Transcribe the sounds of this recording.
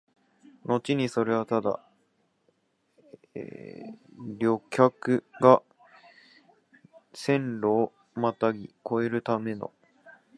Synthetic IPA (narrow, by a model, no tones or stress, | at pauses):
no̞t͡ɕiɲ̟iso̞ɾe̞βat̪ad̪a̰ | ɾʲo̞kʲakɯ̟ɡa | sẽ̞nɾoː | mat̪aɡʲiko̞e̞ɾɯ̟t̪ame̞no̞̰